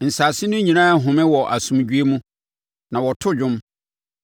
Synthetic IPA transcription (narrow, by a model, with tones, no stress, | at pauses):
n̩˨saː˨sɪ˦nʊ̃˦ɲĩ˨nãː˦˨ɦʊ̃˨mɪ̃˦wɔ˨ʔa˨sũ˨md͡ʑu˦e˦mũ˦ | nã˨wɔ˨tʰʊ˦d͡ʑᶣʊ̃˦m